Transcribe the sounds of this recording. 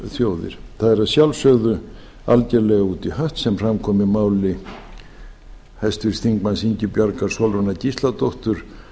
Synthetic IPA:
θjoːwðɪ̰ɾ̥θaðɛɾaðsjawlsœɣðʏ | a̰lcɛɾlɛɣaut̪ihaht̪sɛmfrɾamkʰɔmɪmaːwlɪ | hajst̪vɪɾ̥sθiŋkmansiɲcʏpjaɾkaɾ̥sɔwlvɔnacist̪lat̪oht̪ʏɾ̥

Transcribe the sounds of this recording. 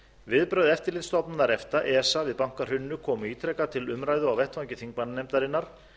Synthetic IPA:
vɪðpɾœɥðɛft̪ɪɾlɪt̪st̪ɔpnanaɾɛft̪aʔɛːsavɪðpawŋ̥kar̥ʏnːʏkʰɔːmʏiːt̪ʰɾɛkat̪ʰɪlʏmɾaːjðʏawvɛht̪vaɲcɪθiŋkmannɛmt̪aɾɪnːaɾ̥

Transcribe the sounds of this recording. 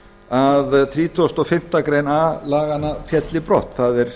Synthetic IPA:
aðθɾiːt̪ʰost̪ɔfɪm̥t̪akɾejnalaːɣanafjɛt̪lɪpɾowht̪θaðɛɾ̥

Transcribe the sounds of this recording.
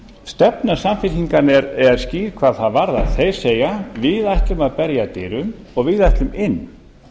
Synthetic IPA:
st̪ɛpnasamfɪɾiŋkanɛɾɛaɾsciːɾkʰvaːðθaðvaɾðaθej̥seːjavɪðajht̪lʏmaðpɛɾjat̪ɪːɾʏm | ɔɣvɪðajht̪lʏmɪnː

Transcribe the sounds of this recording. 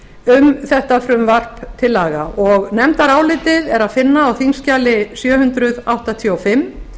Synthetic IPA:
ʏmθɛht̪afɾʏmvar̥pt̪ʰɪlːaːɣaʔɔɣnɛmt̪aɾaːwlɪːt̪ɪðɛɾaðfɪnːaːwθiŋscaːlɪsjœːhʏnt̪ɾʏðawht̪at̪ʰjɔɔfɪmː

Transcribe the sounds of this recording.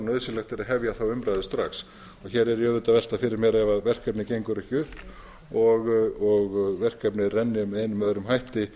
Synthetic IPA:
nœðsɪlɛxt̪ɛɾaðɦɛvjaθawʏmpɾajðɪst̪ɾaxs | ɔɣçɛɾɛɾjœːðʏt̪avɛl̥t̪afɪɾɪɾmjɛɾɛvaðvɛr̥kɛpnɪcejŋkʏɾʏçʏhp̪ | ɔɣɔɣvɛr̥kɛpnɪrɛnːɪʏmɛðejnʏmːœðɾʏmɦajht̪ɪ

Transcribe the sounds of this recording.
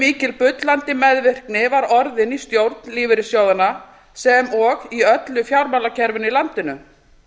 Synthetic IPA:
miːcɪlpʏt̪lant̪ɪmɛðvɪr̥knɪvaɾɔɾðɪnist̪jowɾt̪nliːvɪɾɪsjaːwðanːa | sɛmɔɣiœt̪lʏfjawɾmalacʰɛɾvʏnilant̪ɪnʏ

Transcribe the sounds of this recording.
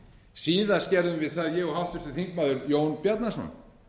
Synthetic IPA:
siːðascɛɾðʏmvɪðθaðjɛɣɔhawht̪ʏ̥t̪ɪθiŋkmaːðʏɾjoːwnpjat̪nasna̰n

